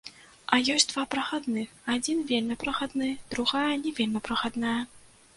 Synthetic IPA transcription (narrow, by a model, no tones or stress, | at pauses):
ɐjɔsʲd̪vapɾɐxad̪nɨad͡zʲinvʲelʲnɐpɾɐxad̪nɨd̪̥ɾuɣajɐnʲɛvʲelʲnɐpɾɐxad̪najɐ